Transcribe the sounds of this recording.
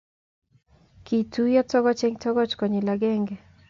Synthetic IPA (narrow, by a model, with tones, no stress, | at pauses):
ki˨tʰu˦jɔ˦tɔ˦ɡɔ˦t͡ʃe˦ŋtɔ˦ɡɔ˦t͡ʃkɔ˨ɲi˨la˨ɡɛ˦ŋɡɛ˨